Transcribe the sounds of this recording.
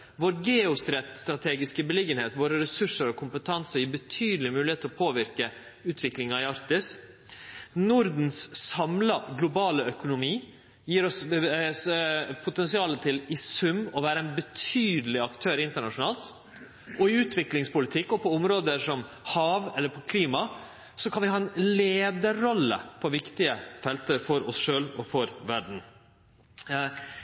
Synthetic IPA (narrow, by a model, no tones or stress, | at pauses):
ʋoːɾɡeːʊst̪ɾɛt̪st̪ɾɑt̪ʰeːɡɪskəbəlɪɡənheːt̪ʋoːɾəɾɛsʉʂəɾɔkʰʊmpət̪ʰɑnsəɾjiːbət̪ʰyːd̪l̩ɪmʉːlɪheːt̪əlɔpʰoːʋɪɾkə | ʉːt̪ʰʋɪklɪŋɑɪɑɾt̪ɪs | nʊɾd̪n̩ssɑmlɑɡlʊbɑːləœkʊnʊmiː | jiːɾɔsspʰʊt̪ʰɛnsɪɑːlət̪ʰɪlɪsʉmːɔʋæːɾəɛɪnbət̪ʰyːd̪əlɪɑkt̪ʰøːɾɪnt̪əɳɑʂʊnɑːlt̪ | ʔɔɪʉːt̪ʰʋɪklɪŋspʊlɪt̪ʰɪkːɔpʰɔʊmɾoːd̪əʂɔm | hɑːʋɛlːəɾpʰɔkʰliːmɑ | sɔkʰɑnʋɪhɑːɛnleːd̪əɾɔlːə̰pʰɔʋɪkt̪ɪəfɛlt̪əɾfɔɾɔsʂøːlɔfɔɾʋæɖɳ̩